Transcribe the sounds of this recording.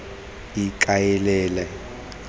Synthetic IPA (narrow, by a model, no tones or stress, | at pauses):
ikʼajɛlɛːlɛ